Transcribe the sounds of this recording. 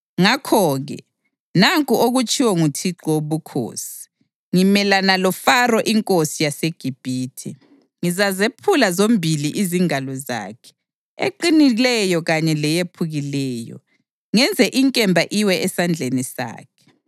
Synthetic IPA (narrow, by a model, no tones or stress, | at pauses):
ŋakʰɔːɣɛ̰ | naŋkʼuʔoɣut͡ʃʼiwɔŋutʰiǃɔwoβukʰo̰ːsii̥ | ŋimɛlanalɔfarɔʔiŋkʼosijaseɡ̥ʱib̥ʱiːtʰḭ | ŋizazepʰulazombʱiliʔiziŋalɔza̰ːkʰɛ̥ | ḛǃinilɛjɔɣaɲɛlɛjepʰuɣilɛːjɔ̰ | ŋɛnd͡zʱɛʔiŋkʼɛmbʱaʔiwɛɛsand͡ɮʱenisa̰ːkʰɛ̥